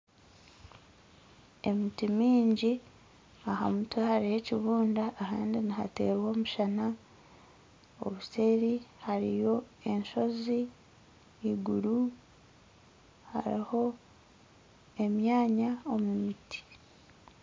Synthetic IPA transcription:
e̞mitimiːɲɟi | aha̰mutwahaɾihe̞ciβuːndaːhaːndinihate̞̰ːɾwo̞ːmuʃana | o̞̰βuse̞ːɾihaɾḭjo̞e̞nʃo̞ziː | ɡuɾu | ha̰ɾḭho̞ | e̞mjaːɲao̞mumitʰi̥

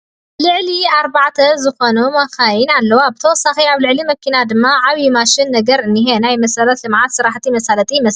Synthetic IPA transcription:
lɨʕliaɾβaʕt̪ʰɐzɨxonumaxajinalːɐwabɨt̪ʰɐwɔsːaxiaβlɨʕlimɐkʰinad̪ɨmːaʕaβjimaʃɪnːɐɡɐɾɨnːiɦenajmɐsɐlɐt̪lɨmʕat̪sɨɾaħt̪ʰimɐsalɐt̪ʼiɪmɐs

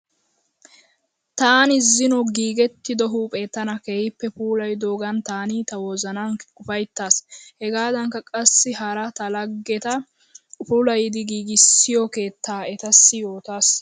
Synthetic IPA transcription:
t̪aːnɪzːɪnɔɡiːɡɛt̪ːɪd̪ɔɦuːpʼe̞ːt̪ːɐnɐkeːhɪpːɛpuːlɐjd̪o̞ːɡɐnt̪aːnit̪ɐwɔzɐnɐnʊfɐjt̪ːaːshɛɡaːd̪ɐŋkɐkʼɐsːɪɦɐɾɐt̪ɐlɐɡːɛt̪ɐ | pulɐjd̪ɪɡiːɡɪsːɪjɔke̞ːt̪ːaːɛt̪ɐsːɪjoːt̪aːs

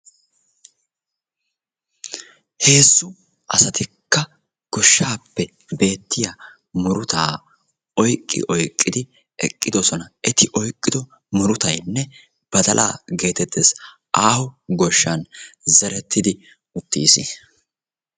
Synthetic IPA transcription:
he̞ːsːʊ | ʔɐsɐt̪ɪkːɐ | ɡ̥ɔʃːaːpːɛ | be̞ːt̪ːɪja | mʊɾʊt̪aː | ɔjkʼːɪ̰ʔɔjkʼːɪd̪ɪ | ɛ̰kʼːɪd̪ɔsɔnɐʔɛt̪ɪʔɔjkʼːɪd̪ɔ | mʊɾʊt̪ɐjnːɛ | b̥ɐd̪ɐlʔa̰ːɡe̞ːt̪ɛt̪ːes | ʔaːhʊɡɔʃːɐnzɛɾɛt̪ːɪd̪ɪ | ʊt̪ːiːsɪ̰

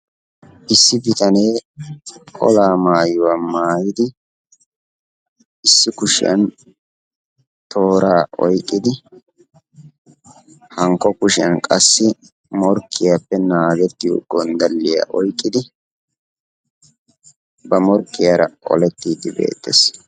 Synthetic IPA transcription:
ʔɪsːɪbɪt̪ɐne̞ː | kʼɔ̰laːmaːjʊwamaːjɪd̪ɪ | ʔɪsːɪkʊʃɪ̰jɐ̰n | t̪ʰo̞ːɾaːʔɔjkʼːɪd̪ɪ | hɐŋkːɔkʊʃɪɐnkʼɐsːɪ | mɔɾkʰːɪjapːɛnaːɡɛt̪ːɪʊ̰ɡːɔnd̪ɐlːɪja̰ʔɔjkʼːɪd̪ɪ | bɐmɔɾkːɪjaɾɐʔɔ̰lɛt̪ːiːd̪ɪbe̞̰ːt̪ːḛs

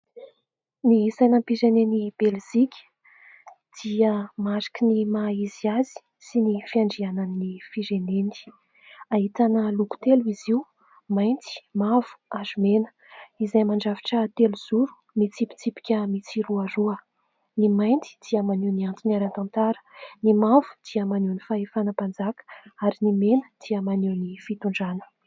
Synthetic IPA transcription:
nisajnəpiɾenenib̥elzikʲi̥ | d̪̥iəmaɾḁkənimaiziazi̥ | sinifiaɳɖ͡ʐiananiːifiɾeneni̥ | aɦit̪anəluku̥t̪eluiziu | majnt͡s̪i̥mav̥u̥azumenə̥ | izajmaɳɖ͡ʐavi̥ʈ͡ʂət̪eluz̥uɾu̥ | mit͡sipi̥t͡sipi̥kʲəmit͡siɾuaɾuə | nimajnt͡si̥d̪̥iəmanuwniant͡s̪inaɾant̪ãnt̪aɾə̥nimavu̥d̪̥iəmanewnifaefanəpand͡zakə̥aɾinimenəd̪̥iəmanewnifit̪uɳɖ͡ʐanə̥

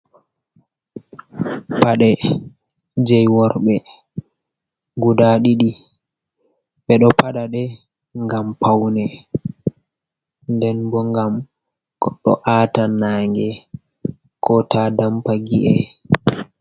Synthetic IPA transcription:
paɗɛ | d͡ʒɛjwɔɾɓɛ | ɡudaɗiɗi | ɓɛɗɔpaɗaɗɛ | ŋɡampawnɛ | ndɛnbɔŋɡam | kɔɗːɔ̰ʔaːtanaːŋɡɛ | kɔtadampaɡiʔɛ

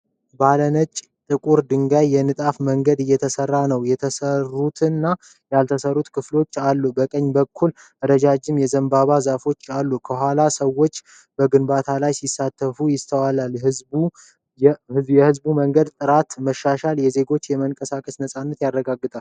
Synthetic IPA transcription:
balənət͡ʃʼ | t̪ʼɨkʼuɾd̪ɨŋɡajːɛnɨt̪ʼafməŋɡəd̪ɨjːɛt̪ʰəsərːanəwjɛt̪ʰəsərːut̪ʰɨnːa | jalt̪ʰəsərːut̪kʰɨflo̞t͡ʃːalːubəkʼəɲːbəkʰːul | əɾəd͡ʒad͡ʒɪmjɛzəmbaβazafo̞t͡ʃːalːukʰəɦʷalasəwːo̞t͡ʃː | bəɡɨnbat̪ʰalajsisːat̪ʰːəfujɪst̪ʰəwalalhɨbu | hjɛhɨzbuməŋɡəd̪t̪ʼɨɾat̪məʃːaʃaljɛze̞ɡo̞t͡ʃːjɛməŋkʼəsakʼəsnəsʼanːət̪jarːəɡaɡːɨt̪ʼal

